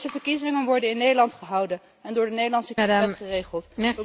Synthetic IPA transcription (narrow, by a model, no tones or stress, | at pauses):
zəvəɹkizɪŋənʋɔɹdənɪnːejdəlɑntχəɦɑwdən | ɛndʊːɹdənejdəlɑnsədaχərejχəlˠtɛə